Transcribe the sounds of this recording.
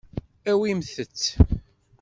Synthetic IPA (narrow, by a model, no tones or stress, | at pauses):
æwimθət͡sː